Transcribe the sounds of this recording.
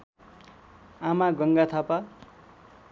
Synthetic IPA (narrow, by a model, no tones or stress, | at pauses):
amaɡʌŋɡat̪ʰapa